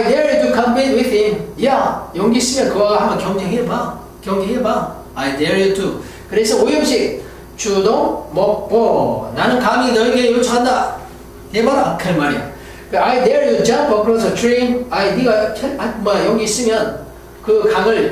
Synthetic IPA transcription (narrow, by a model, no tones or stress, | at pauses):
ajdeɾtʰukʰʌmpʰẽtwiθimjajoŋɡisɯmjʌnkɯwaɡahamʌnkʲjʌŋd͡ʑeŋɦeba | kjʌŋd͡ʑeŋɦeba | ajdeɾɯtʰu | kɯɾesʰʌojʌmɕi | t͡ɕudonmɔpɔnanɯnkaŋinʌiɡejot͡ɕʰaanda | tebaɾakʰeɭmaɾia̰ | kɯajdeɾiud͡ʑanpʌkʰɾɔs̬ʌtʰɾẽnajdiɡakʰeakmajoŋɡis͈ɯmjʌn | kɯkʰaŋɯɭ